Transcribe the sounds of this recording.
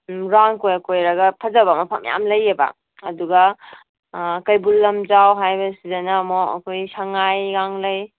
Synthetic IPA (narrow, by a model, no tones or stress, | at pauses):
ɾaŋkojakojɾaɡɐpʰɐzabamɐpʰamja̰mlɐjeba̰ | ɐduɡa | kɐjbulːɐmd͡ʒawɦajbɐsizɐnamɔɐ̰kʰojsaŋajɡaŋlɐj